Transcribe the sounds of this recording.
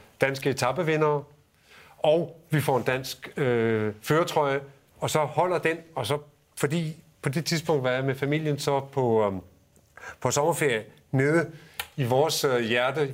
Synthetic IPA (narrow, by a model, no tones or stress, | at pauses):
d̥ænsɡ̥əe̝t͡sʰɑ̈b̥əʋe̝nɐː | ɒʊʋifɒ̰ːe̝nd̥æn̰sɡ̥øføːɐt͡sʰʁɒɪə | ɒ̽sɒ̽hɒ̽l̰ɐd̥enɒ̽sɒ̽ | fɒ̽d̥ḭː | pʰɒ̽d̥e̝t͡sʰiðˠsb̥ɔ̽ŋ̰d̥ʋɑjamefæmil̰jənsɒ̽pʰɒ̽ | pʰɒ̽sɒ̽mɐfe̝ɐ̰jə | ne̝ːð̞ˠəiʋɒːsjæɐd̥ə